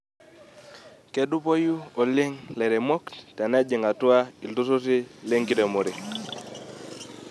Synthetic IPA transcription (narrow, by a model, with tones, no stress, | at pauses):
ke˦du˦po˦ju˦o˨li˦ŋle˨ɾe˨mɔ˦kta˨n˦a˦d͡ʒi˨ŋa˨tu˦a˦i˨ltu˦su˦ti˦li˦ŋki˦te˨mo˨ɾi˨